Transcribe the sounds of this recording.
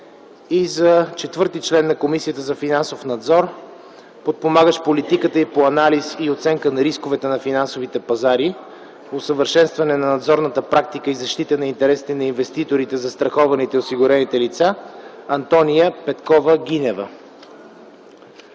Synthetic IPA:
izɐt͡ʃɛt̪vɤɾt̪it͡ʃlɛnːɐkomisijət̪əzɐfinansofnɐd̪zɔɾ | pot̪̚pomaɡəʃpolit̪ikət̪əipoɐnalisiot̪sɛŋkənɐɾiskovɛt̪ɛnɐfinansovit̪ɛpɐzaɾi | osəvəɾʃɛnst̪vɐnɛnɐnɐd̪zɔɾnət̪əpɾak̚t̪ikəizɐʃt̪it̪ənɐint̪ɛɾɛsi̥t̪ɛnɐinvɛst̪it̪oɾit̪ɛzɐst̪ɾɐxɔvɐnit̪ɛosiɡʊɾɛnit̪ɛlit̪saɐnt̪ɔnijəpɛt̪kɔvəɡ̟inɛvə

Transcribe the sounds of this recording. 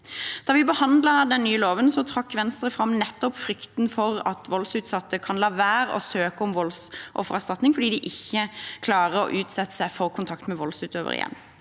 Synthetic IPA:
d̪̥ɑːʋɪbəhɑnd̪ləd̪ɛnnyːəloːʋənsɔt̪ʰɾɑkːʋɛnst̪ʁəfɾɑmnɛt̪ːɔpfɾʏkt̪nfɔʁɑt̪ʋɔlsʉːt̪sɑt̪ːəkʰɑnlɑːʋæːɾɔ̰søːkəɔmʋɔlsʔɔ̰fɔʁɑst̪ɑt̪nɪŋfɔɖ̪iːd̪ɪʔɪçːəkʰlɑːʁəɔ̰ʔʉːt̪sɛt̪ːə̥sæɪfɔʁkʰʊnt̪ʰɑkt̪mɛʋɔlsʉːt̪øːʋə̰ʁɪ̰jɛ̰nː

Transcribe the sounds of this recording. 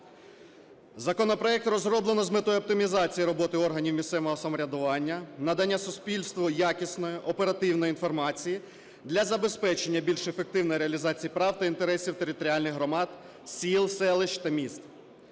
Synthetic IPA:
zɐkɔnɔpɾɔɛk̚t̪rɔzrɔblˠenɔzmɪt̪ɔjɔp̚t̪ɪmʲizɑt͡sʲijiɾɔbɔt̪ɪɔrɦɐnʲiwmʲist̪sɛʋɔɦɔsɐmɔɾʲɐd̪ʊʋɑnʲːɐnɐd̪ɐnʲːasʊsʲpʲilʲst̪ʋɔjakʲisnɔjɔʔɔpe̞ɾɐt̪ɪwnɔjinfɔrmɑt͡sʲiji | d̪lʲɐzɐbe̞spɛt͡ʃe̞nʲːɐbʲilʲʃefek̚t̪ɪwnɔjɾeɐlʲizɑt͡sʲijipɾɑwt̪ɐint̪eɾɛsʲiwt̪eɾɪt̪ɔɾʲialʲnɪɣɦɾɔmɑd̪ | sʲilˠsɛlˠɪʃt̪ɐmʲist̪

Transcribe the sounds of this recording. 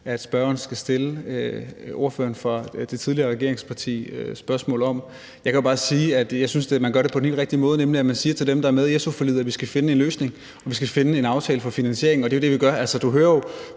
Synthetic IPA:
æd̥sb̥ɶɐɐn̩sɡ̥æsd̥e̝ləøo̝ɐfø̰ːɐnfʁɑ̈d̥e̝t͡sʰiðˠliɐːʁɛɡe̝ɐ̰eŋspʰɑ̈t͡sʰḭːøsb̥ɶɐsmɔ̰̽ːlɒ̽m | jɑ̈ɪkʰæjo̝bɑ̈ːsiːæd̥jɑ̈ɪsynsd̥emænɡ̥ɶɐɾe̝pʰɒ̽dnhḛlʁɛɡ̥̚d̥imɔ̽ːð̞̩ˠnemliæmænsiːɐt͡sʰe̝ldemd̥ɑ̈æɐmeð̞ˠiesofɒlið̰ˠɐʋisɡ̥æfe̝nəe̝nløːsne̝ŋ | ɒ̽ʋisɡ̥æfe̝nəe̝nɑ̈ʊt͡sʰɛːləfɒ̽finænɕe̝ɐeŋn̩ɒ̽de̝o̝d̥e̝ʋiɡ̥ɶɐʔælsəd̥uɦøːɐjo

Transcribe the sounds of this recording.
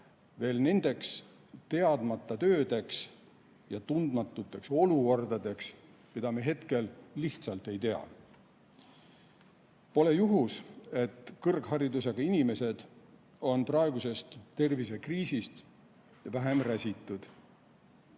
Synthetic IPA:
ve̞ːlne̞nd̪̥e̞ks | t̪e̞ɑd̪̥mɑt̪ːˑɑt̪ø̞ːd̪̥e̞ks | jɑt̪und̪mɑt̪ːˑut̪ːˑe̞kso̞luko̞rd̪̥ɑd̪e̞ks | mid̪̥ɑmeɦe̞t̪ke̞lːiht̪sɑlt̪ˑe̞jt̪e̞ɑ̰ | po̞le̞juɦuse̞t̪ːkɤrɡ̥hɑɾid̪useɡ̥ɑinime̞se̞d̪̥ | o̞nprɑe̞ɡ̥use̞st̪t̪ːe̞rvis̬e̞kriːsist̪ | væɦe̞mræsʲit̪ːˑud̪̥

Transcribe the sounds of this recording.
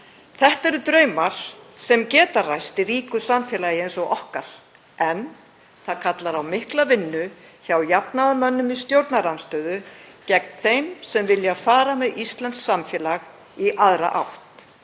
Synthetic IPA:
θɛht̪ɛɾʏt̪ɾœːɥmaɾ̥sɛmcɛːt̪arajst̪ɪɾiːkʏsamfjɛːlajɪensɔɣʔɔhkaɾ̥ | ɛn | θaðkʰat̪laɾawmɪhklavɪnːʏ | çawjapnaðamœnːʏmist̪jowɾt̪naɾanst̪œːðʏcɛk̚nθejmsɛmvɪljafaːɾamɛðist̪lant̪sːamfjɛːlaɣ | iʔaðɾa̰ʔawht̪

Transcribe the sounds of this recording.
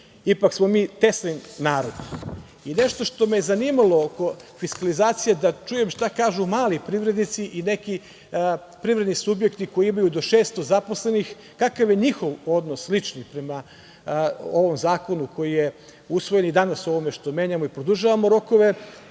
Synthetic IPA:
ipaksmo̞miːt̪e̞slinnaːɾod̪ | ine̞ʃt̪o̞ʃt̪o̞mejezaniːmalˠo̞oko̞fiskalizaːt̪sijed̪at͡ʃuːje̞mʃt̪akaːʒumaːlipɾiʋɾe̞d̪nit̪siʔine̞ki | pɾivɾe̞d̪nisubje̞kt̪iko̞iimajud̪o̞ʃe̞ːst̪o̞zapo̞slenix | kakaʋje̞ɲixo̞ʋo̞d̪noslit͡ʃnipɾema | oʋo̞mzaːko̞nukʰo̞jije | usʋojenid̪anaso̞ʋomeʃt̪omje̞ːɲamoipɾod̪uʒaʋamoɾo̞ko̞ʋe̞

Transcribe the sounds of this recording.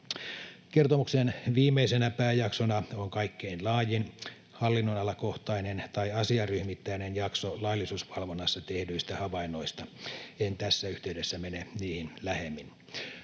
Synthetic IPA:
kert̪omuksenʋiːmeisenæpæːjɑksonɑoŋkɑikːeinlɑːjin | hɑlːinːonɑlɑkoht̪ɑinent̪ɑiɑsiɑryhmit̪ːæinenjɑksolɑilːˑisuːsʋɑlʋonːɑsːɑt̪ehdyist̪æhɑʋɑinːˑoist̪ɑent̪æsːæyht̪eydesːæmeneniːhinlæhemːin

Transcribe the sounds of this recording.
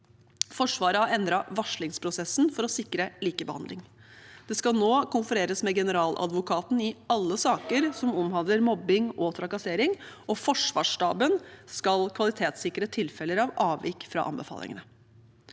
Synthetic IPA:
fɔʂʋɑːɾəɑɛnd̪ɾɑʋɑʂlɪŋspʰɾʊsɛsn̩fɔɾɔsɪkːɾəliːkəbəhɑnd̪lɪŋ | d̪̥ɛskɑlnoːkʊnfʉɾeːɾəsmɛɡɛnəɾɑːlʔɑ̰d̪ʋʊkʰɑːt̪n̩ɪɑlːəsɑːkəɾsɔmɔmhɑnd̪ləɾmɔbːɪŋɔt̪ʰɾɑkɑseːɾɪŋʔɔfɔʂʋɑ̰ːʂʈɑːbənskɑlkʰʋɑlɪt̪ʰeːt̪sɪkːɾət̪ʰɪlfɛləɾɑʋɑːʋɪ̰kfɾɑ̰ʔɑ̰mbəfɑ̰ːlɪ̰ŋə̰nə

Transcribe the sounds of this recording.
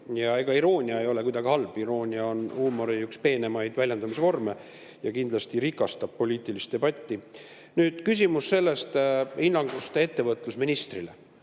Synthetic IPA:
jɑe̞ɡ̥ɑiɾo̞ːnʲiɑe̞jo̞lekujd̪ɑɡihɑlbiɾo̞ːnʲiɑo̞nuːmːoɾiykspe̞ːne̞mɑjd̪vælʲjend̪ɑmisevo̞rme̞ | jɑkind̪lɑst̪iɾikːˑɑst̪ɑb̥̚po̞lʲiːt̪ːˑilist̪e̞b̥ɑt̪ʲˑːi | nyːd̪̥kys̬ʲimusːe̞lːe̞st̪inːɑŋɡ̥ust̪ee̞t̪ːe̞vɤt̪ˑlusminist̪rilḛ

